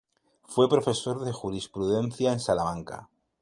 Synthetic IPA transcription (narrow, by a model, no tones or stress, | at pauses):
fwe̞pɾo̞fe̞so̞ɾðexuɾispɾuðe̞n̟θjaensalamãŋka̰